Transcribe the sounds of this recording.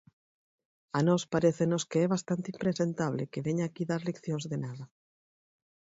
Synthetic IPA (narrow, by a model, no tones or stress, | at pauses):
anɔspaɾeθenoskeɛβast̪ant̪impɾesent̪aβlekeβeɲaːkiðaɾlekθjoŋzðenaða